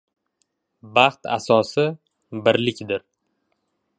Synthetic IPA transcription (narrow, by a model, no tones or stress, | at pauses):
bɑχt̪a̰sɒsɪ | bɪɾlɪkʲd̪ɪɾ